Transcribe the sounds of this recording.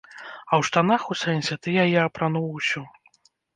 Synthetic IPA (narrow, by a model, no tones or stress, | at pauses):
ɐwʂt̪anaxusɛnʲsʲɛt̪ɨjajɛɐpɾanuwusʲɔ